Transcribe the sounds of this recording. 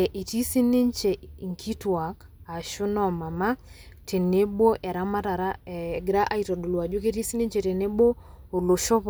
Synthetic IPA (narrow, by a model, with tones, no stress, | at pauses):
ɛ˨ʔi˨ti˦si˦ne˦ɲt͡ʃe˨ŋkʰi˦twa˨k | a˨ʃu˦nɔ˨ma˨ma˦tʰe˨ne˦bo˦ʔɛ˨ɾa˦ma˦ta˨ɾa˦˨ɡɾa˦ʔa˦i˨tɔ˨do˨lwa˨d͡ʒo˦k̬e˦ti˦si˦ni˦ɲt͡ʃe˨te˨ne˦bo˦o˨lo˨ʃɔ˦p